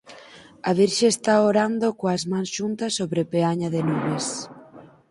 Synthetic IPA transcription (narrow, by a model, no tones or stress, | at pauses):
aβiɾʃeest̪aoɾand̪okoazmãŋsʃunt̪asːoβɾepeaɲaðenuβes